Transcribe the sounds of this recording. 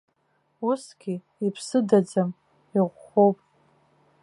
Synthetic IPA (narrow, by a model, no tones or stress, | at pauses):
usɡ̥ʲi | ipʰsɨdad͡zam | iʁʷχowpʼ